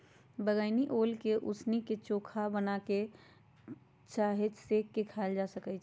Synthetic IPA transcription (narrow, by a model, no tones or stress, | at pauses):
bəɡəɪniʔoːlkeʔʊsniket͡ʃoːkʰabənake | t͡ʃaːɦet͡ʃsekːekʰald͡ʒasəkət͡ʃʰ